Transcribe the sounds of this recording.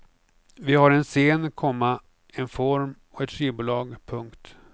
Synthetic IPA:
vɪhaɾɛnseːnkʰɔmːa | ɛnfɔɾm | ɔɛt̪fɾiːbʊːlɑːɡpʰɵŋkt̪

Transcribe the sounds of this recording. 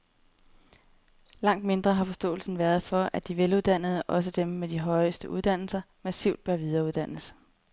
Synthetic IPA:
lɑ̈ŋ̰d̥me̝nd̥ʁɐɦɑ̈fɒ̽sd̥ɔ̰̽ːl̩sn̩ʋæɐð̞̩ˠfɒ̽ʔæd̥iʋeluð̞ˠd̥æn̰ð̞̩ˠəʔɒ̽s̬əd̥emːed̥iɦɒ̽ɪsd̥əʔuð̞ˠd̥æn̰l̩sɐ | mæsiʊ̰d̥̚b̥ɶɐʋiðˠɐːuðˠd̥æn̰əs

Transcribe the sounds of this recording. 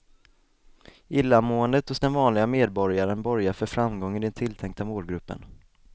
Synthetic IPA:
ɪlːamoːənd̪ət̪ɔsd̪anvɑːnlɪɡameːd̪̚bɔɾjaɾənbœɾjafœɾfɾamɡɔŋːɪd̪ɛnt̪ʰɪlt̪ʰɛŋkt̪amoːlɡɾɵpːə̰n

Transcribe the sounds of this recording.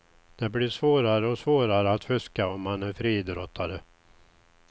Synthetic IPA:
d̪̥ɛbliːʂvoːɾaɾəɔsvoːɾaɾəat̪fɵskaɔmːanæɾfɾiːd̪ɾɔt̪ʰːaɾə

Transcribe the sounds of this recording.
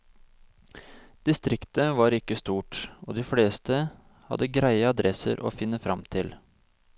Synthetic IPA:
d̪̥ɪst̪ɾɪkt̪əʋɑːɾɪkːəst̪uːʈo̰ːd̪ɪfleːst̪ə | hɑ̰d̪əɡɾæɪəɑd̪ɾʔɛsə̰ɾʔo̰ːfɪnːəfɾɑmt̪ʰɪl

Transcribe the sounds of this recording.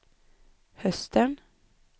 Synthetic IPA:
hœst̪ən

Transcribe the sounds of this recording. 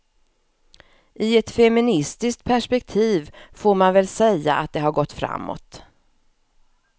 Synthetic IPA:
ʔɪɛt̪fɛmɪnɪst̪ɪsk̚t̪̚pʰæʂpɛk̚t̪ʰiːvfoːɾmanvɛlsɛjːa̰ʔat̪̚d̪ɛɦaɾɡɔt̪ːfɾa̰mːɔ̰t̪

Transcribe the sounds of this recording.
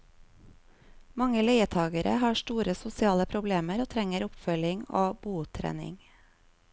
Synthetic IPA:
mɑŋəleɪət̪ʰɑːɡəɾʔə̰hɑːʃtuːɾəsʊsɪɑːləpʰɾʊbleːməɾoːt̪ʰɾɛŋəɾʊpfœlɪŋoːb̥uːt̪ʰɾæ̰ːnɪ̰ŋ

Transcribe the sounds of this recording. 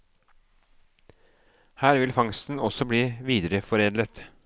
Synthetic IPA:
hæːɾʋɪlfɑŋst̪n̩ɔsɔbɽiːʋiːd̪əɾəfɔɾeːd̪lət̪

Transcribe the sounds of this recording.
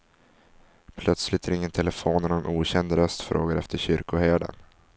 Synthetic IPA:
pʰlœt̪slɪt̪ʰæɾɪŋːənt̪ʰɛlɛfoːnɛnɛnʔuːɕɛnd̪ɾœst̪fɾo̰ːɡəɾɛft̪ʰəɕʏɾkʊhæːɖa̰n

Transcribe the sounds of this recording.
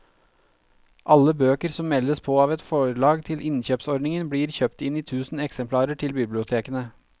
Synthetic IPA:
ʔɑlːəbøːkəɾsɔmmɛləspʰoːɑːʋɛt̪fɔɭɑːɡt̪ʰɪlɪnçøːpsɔɾɖnɪŋənbɽiːɾçøːpt̪ɪniːt̪ʰʉːsn̩ɛksɛmpʰlɑːɾəʈʰɪlbɪblɪʊt̪ʰeːkənə

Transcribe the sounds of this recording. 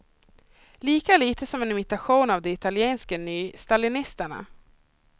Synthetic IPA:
liːkaliːt̪ʰəsɔmɛnɪmɪt̪aɧuːnavd̪ɛɪt̪aljeːnskənyːst̪alɪnɪst̪əɳa̰

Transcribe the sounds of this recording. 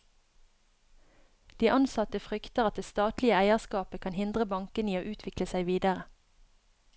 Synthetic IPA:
d̪̥iːʔɑnsɑt̪əfʁʏkt̪əʁɑt̪̚d̪eːst̪ɑːt̪lɪəæɪəʁskɑːpəkʰɑnhɪnd̪ʁəbɑŋkəniːoːʔʉːt̪ʰʋɪkləsæɪʋiːd̪əʁə

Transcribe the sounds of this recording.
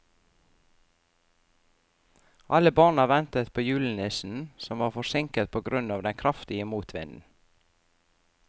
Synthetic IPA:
ʔɑləbɑːʁnɑʋɛnt̪ət̪pʰoːjʉːln̩ɪsn̩sɔmʋɑːʁfɔsɪŋkət̪̚pʰoːɡɾʉnɑːʋd̪ɛnkʰɾɑft̪ɪəmuːt̪ʰʋɪ̰nn̩

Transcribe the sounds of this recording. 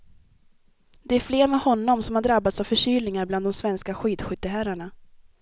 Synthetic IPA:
d̪ɛæɾfleːɾmɛhɔnːɔmsɔmhaɖɾabːat̪sav̥fœʂyːlnɪŋaɾbland̪d̪ɔmsvɛnskaɧiːd̪ɧʏt̪ːəɦæɾaɳa

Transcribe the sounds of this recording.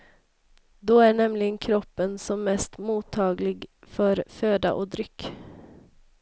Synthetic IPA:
d̪ɔæɳɛmlɪɡənkʰɾɔpːənsɔmːɛst̪muːt̪ʰːɑːɡlɪɡfœɾføːd̪a̰ʔɔd̪ɾʏkː

